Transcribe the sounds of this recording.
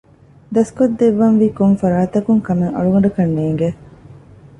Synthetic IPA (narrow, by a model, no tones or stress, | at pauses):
d̪ɐskod̪ːeʋːɐnʋiːkoŋfɐɾaːt̪ɐkuŋkɐmeŋɐ̰ɭuɡɐɳɖɐkɐnːeːŋɡe